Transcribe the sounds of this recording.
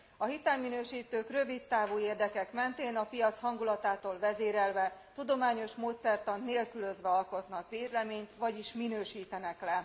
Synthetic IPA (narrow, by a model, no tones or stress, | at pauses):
ɒɦit̪ɛlminøːʃiːt̪øːkrø̞vit̪ːaːvuːeːrd̪ɛkɛkmɛnt̪eːnɒpijɒt̪shɒŋɡulɒt̪aːt̪oːlvɛzeːɾɛlvɛt̪ud̪o̞maːɲo̞ʃmoːt̪sɛrt̪ɒnnːeːlkylø̞zʋɛɒlko̞t̪nɒkʋeːlɛmeːɲt̪vɒɟiʃminøːʃiːt̪ɛnɛklɛ